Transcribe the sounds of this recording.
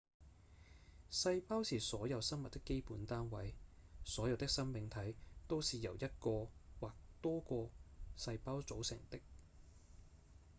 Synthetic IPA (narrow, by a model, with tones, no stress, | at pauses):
sɐ˧jpaː˥wsiː˨sɔː˨˥jɐ˨˧wsɐ˥nmɐ˨t̚t̪ːɪ˥kːe˥jpuː˨˥nt̪aː˥nwɐ˨˧jsɔː˨˥jɐ˨˧wt̪ɪ˥ksɐ˥nmɪ˨˥ŋt̪ʰɐ˨˥jt̪o˥wsiː˨jɐ˨˩wjɐ˥t̚kɔː˧waː˨˩k̚t̪ɔː˥kɔː˧sɐ˧jpaː˥wt͡so˨˥wsɪ̰˨˩ŋt̪ɪ˥k̚